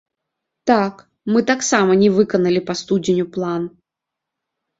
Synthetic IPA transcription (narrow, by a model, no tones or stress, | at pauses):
t̪ak | mɨt̪aksamɐnʲɛvɨkɐnɐlʲɪpɐst̪udʲɪnʲʊplˠan